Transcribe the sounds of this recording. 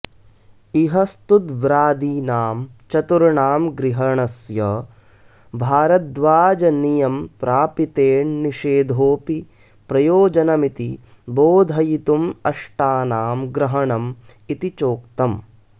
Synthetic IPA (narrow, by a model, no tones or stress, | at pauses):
iɦɐst̪ud̪ʋɾaːd̪iːnaːmt͡ʃɐt̪uɾɳaːmɡɾiɦɐɳɐsjɐ | bʱaːɾɐd̪ʋaːd͡ʒɐnijɐmpɾaːpit̪eːɳniʃeːd̪ʱoːpi | pɾɐjoːd͡ʒɐnɐmit̪i | boːd̪ʱɐjit̪umɐʂʈaːnaːmɡɾɐɦɐɳɐm | it̪it͡ʃoːkt̪ɐm